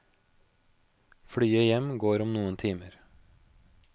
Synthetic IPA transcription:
fɽyːəjɛmɡoːɾɔmnuːənt̪ʰiːməɾ

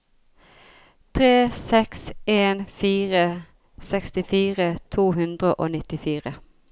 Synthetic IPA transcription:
t̪ʰʁeːsɛkseːnfiːʁə | sɛkst̪ɪfiːʁət̪ʰuːɦʉnd̪ʁəʔo̰ːnɪt̪ɪfiːʁə

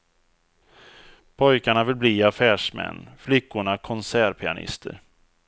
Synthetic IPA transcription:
pʰɔjkaɳavɪlbliːafæːʂmɛ̰nːflʏkːʊɳakʰɔnsæːɾpʰɪa̰nɪ̰st̪ʰə̰ɾ

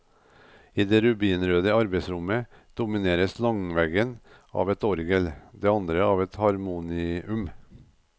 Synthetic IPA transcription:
iːd̪eːɾʉbiːnɾøːd̪əɑɾbeɪsɾʊmə | d̪̥ʊmɪneːɾəslɑŋʋɛɡən | ɑ̰ːʋɛt̪ɔɾɡəld̪eːɑnd̪ɾəɑːʋɛt̪hɑɾmuːnɪʉm

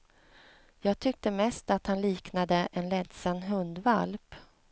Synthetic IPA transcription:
jɑːɡ̚t̪ʰʏk̚t̪əmɛst̪at̪hanliːknad̪əʔɛnlɛt̪sanːɦɵnd̪valp

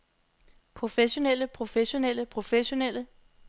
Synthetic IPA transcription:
pʰʁo̝feɕo̝nel̰əpʰʁo̝feɕo̝nel̰əpʰʁo̝feɕo̝nel̰ə

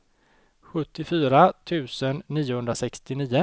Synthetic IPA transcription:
ɧɵt̪ːɪfyːɾat̪ʰʉ̟ːsənːiːʊhɵnd̪ɾasɛkst̪ɪniːə

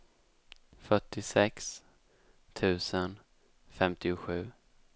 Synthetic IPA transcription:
fœʈːɪsɛks | t̪ʰʉ̟ːsən | fɛmt̪ɪʊɧʉ̟ː

